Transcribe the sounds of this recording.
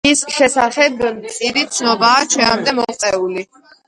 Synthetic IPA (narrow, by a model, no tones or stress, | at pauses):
isʃɛsaχɛb̪ʼiɾit̪sʰnɔbaːt͡ʃʰɛamd̪ɛmɔɛuli